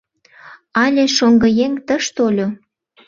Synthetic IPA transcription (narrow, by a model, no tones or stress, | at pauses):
ɑlʲeʃoŋɡə̆jeŋt̪əʃt̪olʲo